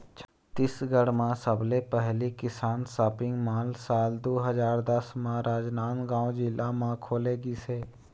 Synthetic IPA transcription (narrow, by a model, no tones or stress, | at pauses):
t͡ʃ | t̪ɪsɡəɽmãsəblepɛɦlikɪsaːnsaːpɪ̃ŋɡmaːlsaːld̪oːɦəzaːɾd̪əsmãɾaːd͡ʒnaːnɡãːõd͡ʒɪlamãkʰoːleːɡiseː